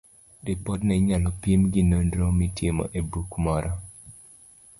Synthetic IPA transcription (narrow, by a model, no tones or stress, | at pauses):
dɪpɔdnɛɲalɔpjimɡɪnondɾomitjemɔ̰ʔebukmɔɾʔɔ